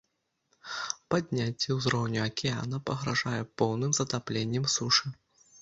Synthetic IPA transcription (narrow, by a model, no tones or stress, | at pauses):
pad̪ʲnʲat͡sʲːɛwzɾɔwnʲuɐkʲɛa̰nɐpɐɣɾaʐajɛpɔwnɨmzɐt̪aplʲenʲːɛmsuʂɨ